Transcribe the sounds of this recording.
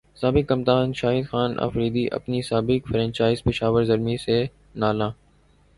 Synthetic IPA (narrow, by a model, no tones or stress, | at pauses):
saːbɪkːəmt̪aːnʃaːɦɪd̪xaːnɐ̰fɾiːd̪iʔɐ̰pnisaːbɪkfəɾə̃nt͡ʃaːɪzpɪʃaːʋəɾzəɾmise | naːlãː